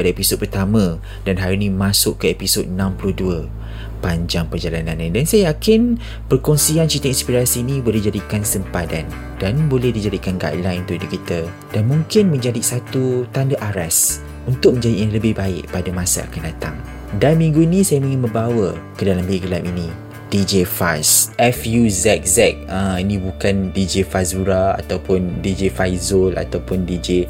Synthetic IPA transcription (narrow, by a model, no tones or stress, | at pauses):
padaepisod̚pərt̪amã | danɦaɾunĩmasʊʔkːəepisod̚nãmpuluhduə | paɲd͡ʒaŋpərd͡ʒalanãnːidansajajakɪn | pərkɔnsiant͡ʃit̪əĩnspiɾasiːnĩbolɛhd͡ʒadikansəmpadan | d̥anbolɛhdid͡ʒadikanɡa̰ʔlajnt̪uʔidukit̪ə | d̥anmũŋkɪnmə̃ɲd͡ʒadisat̪ut̪andaʔaɾas | unt̪ʊk̚mə̃ɲd͡ʒadiʔniləbɪhbaɪʔpadamãsa̰a̰kandat̪aŋ | danmĩŋɡuinĩsajamĩŋinmə̃mbawəkədalambeɡəlaminĩ | d̥id͡ʒefasʔɛfjuzɛt̪̚zɛk̚ə̃inĩbukandid͡ʒefazuɾaa̰t̪awpʊndid͡ʒefajzola̰t̪awpʊndid͡ʒe